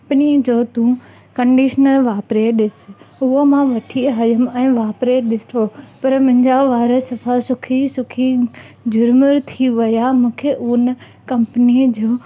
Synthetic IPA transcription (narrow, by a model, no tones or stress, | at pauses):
pnid͡ʑoːt̪ũ | kə̃ɳɖiːʃnəlʋaːpɾeɗɪsʊɦomãʋɐʈʰiɦaːjəmɛ̃ːʋaːpɾeɗɪst̪ʰopɐɾmʊ̃ɦɪ̃ɲd͡ʑaʋaːɾəsɐfʰasʊkʰisʊkʰi | d͡ʑʱʊɾməɾt̪ʰiʋɐjamũːkʰeʔʊn | kɐ̃mpnid͡ʑoː